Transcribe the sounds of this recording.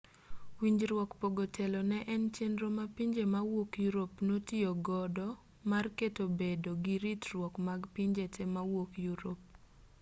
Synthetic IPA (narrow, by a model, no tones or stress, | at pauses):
wiɲd͡ʒɾwɔkpoɡotelɔnɛʔɛnt͡ʃenɾomapiɲd͡ʒemawokjuɾopnotioɡɔdɔ | marketobedoɡiɾitɾwɔkmaɡpiɲd͡ʒetʰɛmawokjuɾop̚